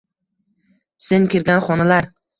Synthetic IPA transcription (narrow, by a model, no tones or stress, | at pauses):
senŋkʲeɾɡʲanχɒnalaɾ